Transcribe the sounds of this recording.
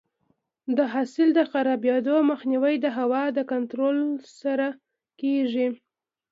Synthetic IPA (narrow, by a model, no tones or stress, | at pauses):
d̪əɦɑsɪld̪əxaɾɑbjɑd̪oməxniwəjd̪əɦawɑd̪əkant̪ɾolsaɾa | keʒi